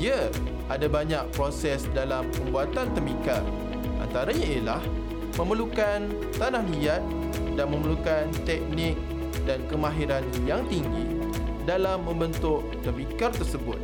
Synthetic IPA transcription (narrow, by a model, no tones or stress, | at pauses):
ia | ʔadabaɲak̚pɾosɛsdalampəmbuat̪ant̪əmikar | ʔa̰nt̪aɾaɲaəlah | mə̃məlukan | t̪anahlijat̪̚ | danmə̃məlukant̪ɛk̚nɪk̚ | dankəmãɦiɾanjaŋt̪iŋɡi | dalamːə̃mbənt̪ʊʔt̪əmikart̪ərsəbʊ̰t̪̚